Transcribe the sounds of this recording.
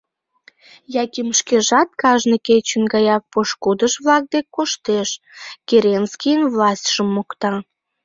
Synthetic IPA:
jɑkʲimʃkeʒɑt̪̚kɑʒnəket͡ɕənɡɑjɑk̚poʃkud̪əʃβlɑk̚d̪ekkːoʃt̪eʃ | keɾenskʲijənvlɑsʲtʲʃəmːokt̪ɑ

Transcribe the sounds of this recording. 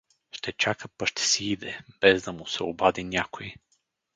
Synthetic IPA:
ʃt̪ɛt͡ʃakəpɐʃt̪ʰɛ̥siid̪ɛb̥ɛzd̪ɐmʊsɛobad̪inʲakoji

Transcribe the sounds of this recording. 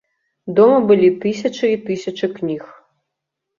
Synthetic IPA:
d̪ɔmɨbɨlʲit̪ɨsʲɐt͡ʂɨit̪ɨsʲɐt͡ʂɨknʲix

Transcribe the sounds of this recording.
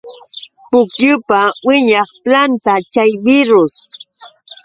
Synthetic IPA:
pʊkjʊpawɪɲɑχplant̪at͡ʃajbɪɾʊs

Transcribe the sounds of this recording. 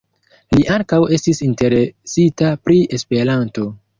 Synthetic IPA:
liʔaŋkawe̞stisinte̞ɾe̞sitapɾiʔe̞spe̞ɾanto̞

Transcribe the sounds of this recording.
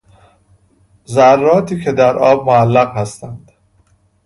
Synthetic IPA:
zærːɒːt̪ʰiːcʰe̞d̪æɾʔɒːb̚moælːæɣhæst̪ænd̪̥

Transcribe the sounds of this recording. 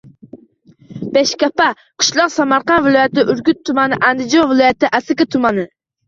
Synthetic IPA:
bɛʃkʲɑpɑ | qʰɨ̥ʃlˠɑqsɑmɑɾqɑnvɪlˠɑjɛt̪ɪʔyɾɡʲyt̪ʰːumɑnɨʔænd̪ɪd͡ʒonvɪlˠɑjɛt̪ɨʔæsɪkʲɪt̪ʰumɑnɨ

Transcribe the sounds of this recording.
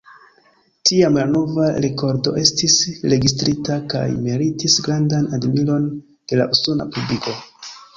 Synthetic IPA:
tiamlano̞vaɾe̞ko̞ɾdo̞̰ʔe̞stisɾe̞ɡistɾitaka̰jmeɾitisɡɾandanadmiɾo̞n | d̥e̞la̰ʔusona̰publikʰo̞

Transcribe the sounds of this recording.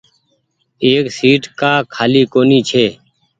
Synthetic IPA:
eːksiːʈkaːkʰaːliːkoːniːt͡ʃʰeː

